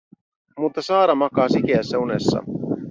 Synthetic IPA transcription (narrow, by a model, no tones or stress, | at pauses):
mut̪ːɑsɑːɾɑmɑkɑːsikeæsːæune̞sːɑ̰